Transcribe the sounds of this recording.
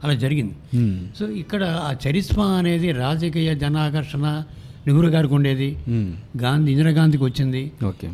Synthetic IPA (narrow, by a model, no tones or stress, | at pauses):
ɐlaːd͡ʒɐɾiɡind̪isoːikːɐɽɐaːt͡ʃɐɾismɐɐne̞ːd̪iɾaːd͡ʒɐkiːjɐd͡ʒɐnaːkɐɾʂɐnɐ | niɡuɾɐɡaːɾikuɳɖe̞ːd̪iɡaːnd̪iind̪ɾɐɡaːnd̪ik̬iʋɐt͡ʃːind̪ioːkeː